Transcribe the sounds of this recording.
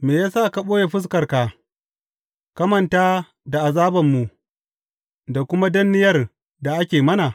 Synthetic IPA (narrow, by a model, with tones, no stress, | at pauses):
meː˨jaː˦saː˦˨ka˨ɓoː˦je˨ɸɪ˦s̬kɐ˨rkaː˨ | kɐ˦mɐ˨ntaː˦ | da˨ʔa˨zaː˦bɐ˨mːu˨ | da˨kʷʊ˦ma˦dɐ˦nːɪ˦jɐ˦r | da˨ʔa˦kʲeː˨mɐ˦na˨